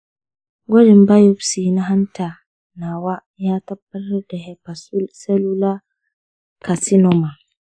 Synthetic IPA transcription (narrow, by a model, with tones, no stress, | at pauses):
ɡɔ˦dɪ˨m˦ba˦jo˦bsi˨na˦ɦa˦n˦tʰa˨ | na˨wa˦ | ja˦ta˦b̚ə˦lɾdɛ˨hɛ˦pa˨su˦sɛ˦lu˦la˦ | kʰa˨si˦nɔ˨ma˨